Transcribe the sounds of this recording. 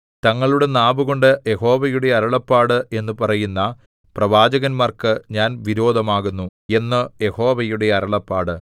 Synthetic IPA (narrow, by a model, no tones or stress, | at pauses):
t̪ɐŋːɐɭuɽe̞naːbuɣo̞ɳɖɨje̞ho̞ːʋɐjuɽe̞ɐɾɐɭɐpːaːɽɨʔe̞nːɨpɐrɐjunːɐ | prɐʋaːd͡ʑɐɣɐnmaːrkɨɲaːnʋiɾo̞ːd̪ʱɐmaːɣunːue̞nːɨje̞ho̞ːʋɐjuɽe̞ɐɾɐɭɐpːaːɽɨ